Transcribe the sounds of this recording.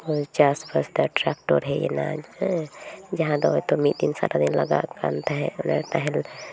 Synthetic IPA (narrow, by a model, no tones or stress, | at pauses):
ot͡ʃasbəɾsd̪əʈɾakʈoɾɦɛḛna̰d͡ʒ | d͡ʒəɦãd̪ɔojt̪omid̪insa̰ɾʔad̪inləɡa̰ka̰nt̪aɦɛnəɾt̪aɦel